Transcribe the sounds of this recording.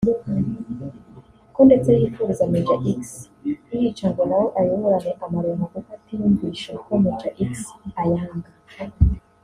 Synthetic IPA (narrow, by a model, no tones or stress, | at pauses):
dukan | kondet͡sehifuɾizamed͡ʒaʔiks | ijit͡ʃaŋɡonawoʔajoβoɾaneʔamaɾonaɡokatijumɡiʃokomed͡ʒaʔiksajaːŋɡa